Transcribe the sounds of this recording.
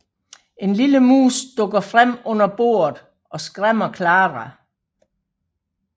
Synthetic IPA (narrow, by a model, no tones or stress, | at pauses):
e̝nliləmṵːsd̥ɔ̽ɡ̥ɐfʁam̰ɔ̽n̰ɐb̥o̝̰ːɐðˠ | ʔɒ̽sɡ̥ʁam̰ɐkʰlɑ̈ːʁɑ